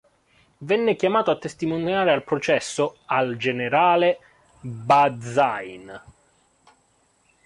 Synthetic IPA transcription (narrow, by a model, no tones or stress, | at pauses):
vɛnːekjamaːt̪oat̪ːest̪imonjaːɾealpɾot͡ʃɛsːoald͡ʒeneɾaːle | bad̪zajn